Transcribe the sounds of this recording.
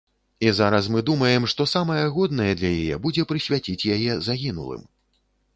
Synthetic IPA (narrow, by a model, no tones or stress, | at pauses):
izaɾɐsmɨd̪umɐjɛmʂt̪ɔsamɐjɛɣɔd̪nɐjɛd̪lʲɐjajɛ̰bud͡zʲɛpɾɨsʲvʲat͡sʲit͡sʲjajɛzaɣʲinṵlˠɨ̰m